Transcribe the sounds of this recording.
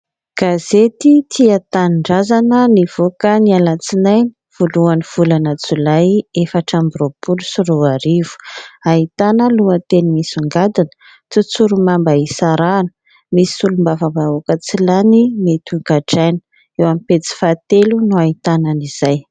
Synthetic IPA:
ɡ̥azet̪it̪ʰiat̪anɳɖ͡ʐazanəniv̥okənialat͡sinaj | v̥oluaniv̥ulanət͡sulajefaʈ͡ʂambiɾopulusiroaɾivu̥ait̪anəluət̪enimisuŋɡad̪inə̥ | t͡s̪ut͡suɾumambaisaɾanə̥ | misi̥ulumbavabaokət͡silanimet̪uɡaʈ͡ʂajnə̥ | ewamipet͡si̥fat̪elunuait̪ananiz̥aj

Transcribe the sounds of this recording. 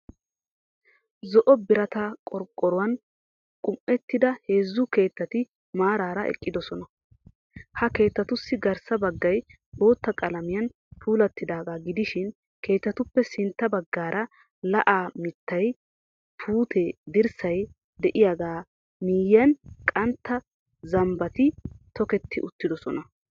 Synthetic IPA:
zɔʔɔbɪɾɐt̪ɐkʼɔɾkʼːɔɾʊwɐn | kʼʊmʔɛt̪ːɪd̪ɐhe̞ːzːʊke̞ːt̪ːɐt̪ɪ | maːɾaːɾɐʔɛ̰kʼːɪd̪ɔsɔnɐ | hɐke̞ːt̪ːɐt̪ʊsːɪɡɐɾsɐbɐɡːɐj | bo̞ːt̪ːɐkʼɐlɐmɪjɐn | t̪ʰuːlɐt̪ːɪd̪aːɡaːɡɪd̪ɪʃɪn | kʰe̞ːt̪ːɐt̪ʊpːɛsɪnt̪ːɐbɐɡːaːɾɐ | lɐʔaːmɪt̪ːɐj | pʰuːt̪ʰɛd̪ɪɾsɐj | d̪ɛʔɪjaɡaː | miːjɐnkʼɐnt̪ːɐ | zɐmbɐt̪ɪt̪ɔkɛt̪ʰːɪʔʊt̪ːɪd̪ɔsɔnɐ

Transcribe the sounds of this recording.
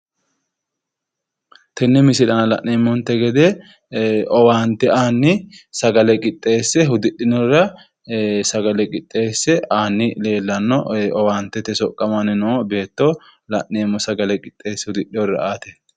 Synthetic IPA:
t̪ɛnːɛmɪsɪᶑɐnɐlɐ̰ʔːeːmːɔnt̪ɛɡɛd̪e | ʔɔwaːnt̪ɛaːnːɪsɐɡɐlɛkʼɪt̪ʼːe̞ːsːɛɦʊd̪ɪᶑːɪnɔrɐ | sɐɡɐlɛkʼɪt̪ʼːe̞ːsːɛaːnːɪle̞ːlːɐnːɔɔwaːnt̪ːɛt̪ɛsɔkʼːɐmanɪnɔobe̞ːt̪ːolɐʔːeːmːɔsɐɡɐlɛkʼɪt̪ʼːe̞ːsːɛhʊd̪ɪɗɪɔrɐ̰ʔaːt̪ɛ̥

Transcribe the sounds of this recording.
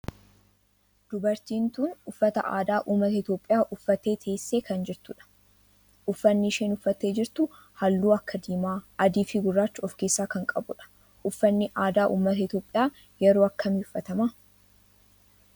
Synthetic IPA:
d̪̥ʊbɐɾt̪iːnt̪uːnʊfːɐt̪ɐ̰ʔa̰ːd̪aːʔuːmːɐt̪ɐɪt̪jo̞ːpʼːɪjaːʔʊfːɐt̪e̞ːt̪ʰe̞ːsːe̞ːkɐnd͡ʒɪɾt̪ʊᶑɐ̥ | ʔʊfːɐnːiʃeːnʊfːɐt̪ːeːd͡ʒɪɾt̪ʊ | hɐlːuːɐkːɐd̪iːmaːɐd̪iːfiɡʊrːaːt͡ʃːʊɔfkeːsːaːkɐŋkʼɐbʊᶑɐ̥ | ʔʊfːɐnːɪʔaːd̪aːʔṵːmːɐt̪ɐɪt̪jo̞ːpʼːɪjaː | jɛɾoːɐkːɐmɪʊfːɐt̪ɐma

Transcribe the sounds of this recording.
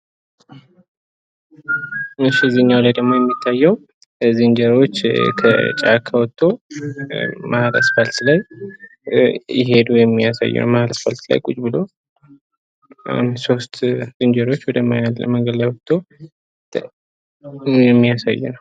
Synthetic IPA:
ɨʃːiziɨɲːawlajd̪əɡmo̞jɛmːit̪ʰːajːɛw | zɨnd͡ʒəɾo̞t͡ʃːkʰə̰t͡ʃʼa̰kʰawɔt̪ʼːo | mahɾə̰sfəlt̪laj | ɪ̰ɦe̞d̪ujɛmːijasa̰jːɛ̰nə̰wmahɾəsfəlt̪la̰jkʼut͡ʃʼbɨlo | so̞st̪zɨnd͡ʒəɾo̞t͡ʃːwɔd̪əmaalə̰məŋɡəd̪lajwɔt̪ʼːo | jɛmːijasa̰jːɛ̰nəw

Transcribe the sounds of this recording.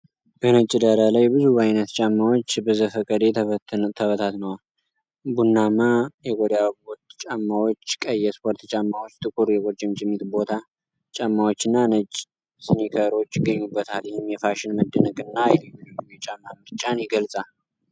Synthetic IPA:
b̥ənət͡ʃʼːɪd̪əɾəlajbɨzubajnət̪t͡ʃʼamːawo̞t͡ʃːbəzəfəkʼəd̪et̪ʰəβət̪ʰat̪nəw | bunːamajɛɡʷod̪jawpoɾt̪t͡ʃʼamːawo̞t͡ʃːkʼəjɛspʰoɾt̪t͡ʃʼamːawot͡ʃːt̪ʰʼɨkʼuɾjɛɡʷoɾd͡ʒʼɪmt͡ʃʼɪmːit̪bo̞t̪ʰa | t͡ʃʼamːawot͡ʃːɨnːanət͡ʃʼ | sɨnikʰəɾo̞t͡ʃːɪɡəɲːubːət̪ʰalwɪhɪmːjɛfaʃɪnməd̪ːənəkʼɨnːajɛblimimit͡ʃʼamːamɨɾt͡ʃʼːanjɪɡəlsʼal

